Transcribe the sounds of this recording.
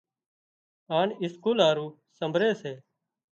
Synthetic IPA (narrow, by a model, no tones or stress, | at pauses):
aːɳɪskuːlaːɾuː | səmbʱɾeːseː